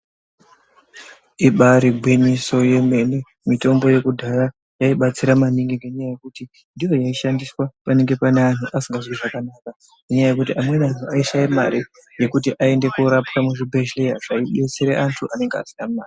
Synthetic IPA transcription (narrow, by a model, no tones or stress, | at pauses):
iɓaɾiɡʱwiniso̞je̞me̞ne | mito̞mbo̞je̞kudʱaja | jaiɓat͡siɾamaniŋɡiŋɡeɲajaje̞kuti | ndijo̞jaiʃandiswapane̞ŋɡe̞panean̤uʔasiŋɡazwiʐakanaka | neɲajaje̞kutiʔamwe̞nanuaiʃajima̰ɾi | je̞kutiʔae̞nde̞kuɾapkamuʐibʱe̞ʃlejaʐ̥aiɗe̞t͡seɾeʔantʰuʔane̞ŋɡea̰sinamuaːri